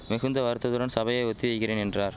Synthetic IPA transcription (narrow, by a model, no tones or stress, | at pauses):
mɪɣɯnd̪ɐʋɐɾɯt̪ːɐðɯɾɐnsɐbɐjɐɪɔt̪ːiʋɐɪɣɪreːnɛndraːɾ